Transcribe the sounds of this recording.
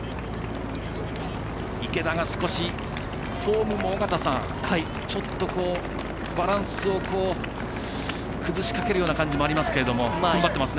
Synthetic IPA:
ike̞d̪aɡasɨ̥ko̞ɕi | ɸo̞ːmɯ̟moːɡat̪asãŋ | t͡ɕo̞t̪ːo̞ko̞ː | baɾãɰ̃sɨo̞ko̞ː | kɯ̟zɨɕi̥kake̞ɾɯ̟joːnakãɲ̟d͡ʑimo̞aɾʲimasɨ̥keɾe̞d̪o̞mo̞ãmbat̪ːemasɨne

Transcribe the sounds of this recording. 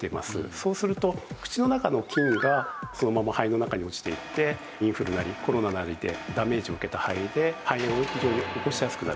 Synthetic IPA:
t̪e̞ma̰sɨ̰so̞ːsɨɾɯ̟t̪o̞kɯ̟̥t͡ɕino̞nakano̞kʲĩŋɡaso̞no̞mamahaino̞nakaɲ̟io̞t͡ɕi̥t̪e̞it̪ːe̞ | ĩɰ̃ɸɯ̟ɾɯ̟naɾʲiko̞ɾo̞nanaɾʲid̪e̞d̪ame̞ːʑio̞ɯ̟ke̞t̪ahaid̪e̞haiẽoçiʑo̞ːɲ̟ioko̞ɕijasɨ̥kɯ̟na

